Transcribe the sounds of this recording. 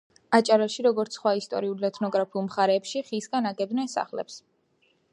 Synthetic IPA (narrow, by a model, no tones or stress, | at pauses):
at͡ʃʼaɾaʃiɾɔɡɔɾt̪sʰχwaist̪ʼɔ̰ɾiulɛt̪ʰnɔɡɾapʰiulˠmχaɾɛːpʃiχisɡanaɡɛd̪nɛsa̰χlɛ̰ps